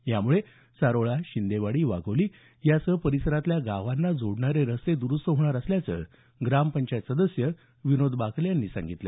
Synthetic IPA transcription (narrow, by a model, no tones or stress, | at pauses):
jamuɭe | saɾoɭaɕind̪eʋaɽiːʋa̰ɡʱəʋliː | jasəpəɾisəɾat̪ljaɡaʋanːad͡zʱoɽɳaɾeɾəsed̪uɾust̪əɦɳaɾəsljat͡sə̰ | ɡɾampəɲt͡ɕajt̪səd̪əsjə | ʋinod̪bakʰljanːiːsa̰ŋɡit̪lḛ